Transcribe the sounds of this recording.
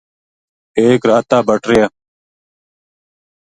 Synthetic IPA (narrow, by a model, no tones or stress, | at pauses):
eːkɾaːt̪aːbʱəʈɾɪjaː